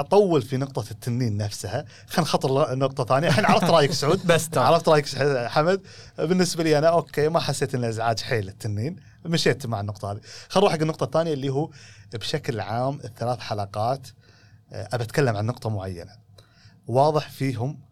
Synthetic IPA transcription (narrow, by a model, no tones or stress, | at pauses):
ʔɑt̪ˤɑwːəlfinʊq̚t̪ˤɑt̪ʰːanːiːnːafsha | xanxɑt̪ˤːɨɾnːʊq̚t̪ˤɑθaːnjaʔħiːnʕaɾˤɑft̪ɾɑːjɪksʕuːd̪bsʕaʕɾˤɑft̪ɾˤɑːjɪksħamad̪̚ | bɪnːɪsbaliːʔanaʔoːkʰeːmaħasːeːt̪ʔɪnːaʔɪzʕaːd͡ʒħeːlɪt̪ʰːanːiːn | maʃeːt̪maʕanːʊq̚t̪ˤɑhaːðixanˤuːħaɡɪnːʊq̚t̪ˤɑθːaːnjalːiːɦubʃaklʕaːmɪθːalaːθħalɑqɑːt̪ | ʔabʔat̪kalːamʕanːʊqt̪ˤɑmʊʕajːa̰na | wɑːðˤəħfiːɦʊm